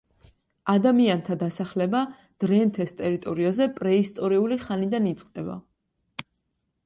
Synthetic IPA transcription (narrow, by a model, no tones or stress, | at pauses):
ad̪amiant̪ʰad̪asaχlɛba | d̪̥ɾɛnt̪ʰɛst̪ʼɛɾit̪ʼɔɾiazɛpʼɾɛist̪ʼɔɾiuliχanid̪anit̪sʼqʼɛba̰